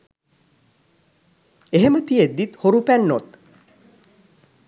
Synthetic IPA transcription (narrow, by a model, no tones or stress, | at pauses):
eɦemət̪ied̪ːit̪hoɾupænːot̪